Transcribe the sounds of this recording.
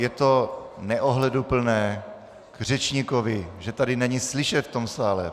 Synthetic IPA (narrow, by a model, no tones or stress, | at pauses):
jɛt̪onɛʔoɦlɛdupl̩nɛː | ɡr̝ɛt͡ʃɲikovɪʒɛt̪adɪnɛɲislɪʃɛt̪ft̪o̞msaːlɛ